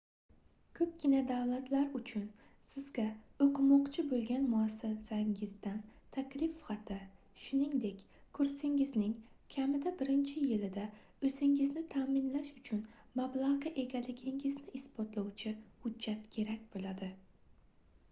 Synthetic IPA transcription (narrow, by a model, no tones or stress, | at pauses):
kʰɵp̚kʲɪnad̪awlat̪ʰlaɾʊt͡ʃʰʊnsɪzɡʲaoqʰɨmɒqt͡ʃʰɪbolˠɡʲanmʊasːasaŋɪzd̪ant̪ʰakʲlɪfχɑt̪ʰɪ | ʃʊnɪŋd̪ekʲ | kʰʊɾsɪŋɪznɪŋkʲʰamɪd̪abɪɾɪnt͡ʃʰɪjɪlɪd̪a | ɵzɪŋɪznɪt̪ʰaːmɪnlaʃʊt͡ʃʰʊnmablˠaʁaʔe̞ɡʲalɪɡʲɪŋɪznɪʔɪsbɒt̪lˠawt͡ʃʰɪhʊd͡ʒːat̪kʲʰe̞ɾakʲb̥olˠad̪ɪ